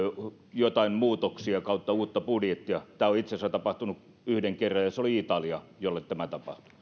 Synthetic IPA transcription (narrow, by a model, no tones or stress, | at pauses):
jot̪ɑimmuːt̪oksiɑkɑˑut̪ːɑuːt̪ːɑpudjet̪ːiɑt̪æːoit̪sesæt̪ɑpɑht̪unuk | yhdeŋkerːɑjjɑseoliit̪ɑliɑjolːet̪t̪æmæt̪ɑpɑ̰ht̪u̥